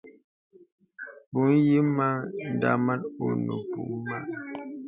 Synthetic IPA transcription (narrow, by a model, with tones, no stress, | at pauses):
bu˨˦n˦ji˦ma˦n̩˨da̰˦˨ma˦to̰˨nə̰˨pṵ˨ʔma˦˨